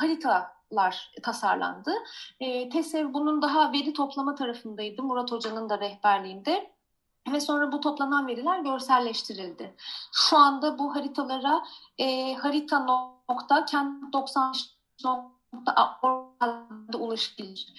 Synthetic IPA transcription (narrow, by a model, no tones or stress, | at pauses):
haɾit̪ʰalˠaɾ̥t̪ʰasa̰ɾlˠa̰nd̪ɯː | t̪ʰɛsɛvbunund̪aɦave̞ɾit̪ʰo̞plˠamat̪ʰaɾafɯnd̪ajd̪ɯmuɾat̪ʰo̞d͡ʒanɯnd̪aɾɛhbæɾlʲiːnd̪ɛ | vɛso̞nɾabut̪ʰo̞plˠananve̞ɾilʲæɾɟø̞ɾsæɾlʲɛʃt̪ʰiɾilʲd̪ɪʃuand̪abuɦaɾit̪ʰalˠaɾaɛːhaɾit̪ʰanokt̪ʰacʰænd̪o̞ksanʃ | so | t̪ʰaʔoalˠd̪aulˠaʃɯ̥bilʲˠiɾ̥